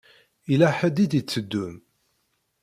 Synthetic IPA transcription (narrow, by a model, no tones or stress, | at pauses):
ilæħəd̪id̪it͡sːəd̪ːum